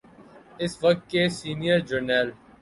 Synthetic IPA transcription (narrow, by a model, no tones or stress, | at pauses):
ɪsʋɐk̚t̪̚kesiːnijəɾd͡ʒəɾnɛːl